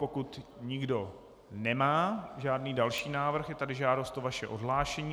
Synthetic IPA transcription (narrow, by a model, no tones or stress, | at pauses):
pokut̪ɲɪɡdo̞ | nɛmaːʒaːdniːdalʃiːnaːvr̩xjɛt̪adɪʒaːdost̪ovaʃɛʔodɦlaːʃɛɲiː